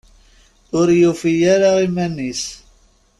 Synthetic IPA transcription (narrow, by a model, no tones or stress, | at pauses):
ʊɾjufijaɾaʁimænːis